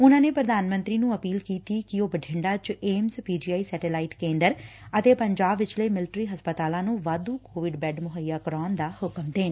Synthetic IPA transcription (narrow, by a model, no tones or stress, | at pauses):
ʊnãːneːpɾəd̪aːnmə̃nt̪ɾiːnũːəpiːlkiːt̪iːkɪoːbəɖʰʱɪɳɖaːt͡ʃeːmzpiːd͡ʒiːaːiːsɛːʈeːlaːiːʈkẽːnd̪əɾət̪eːpəɲd͡ʒaːbʋɪt͡ʃləːmɪlɪʈɾiːɦəspət̪aːlãːnũːʋaːd̪ũːkoːʋɪɖbɛːɖmʊɦəjːaːkəɾaːnd̪aːhʊkmd̪eːn